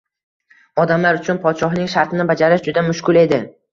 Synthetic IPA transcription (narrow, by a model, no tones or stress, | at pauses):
ɒd̪amlaɾʊt͡ʃʰʊnpʰɒt̪ʃɒɦnɪŋʃaɾt̪ʰɪnɪbad͡ʒaɾɪʃd͡ʒʊd̪amʊʃkʰʲʊle̞d̪ɪ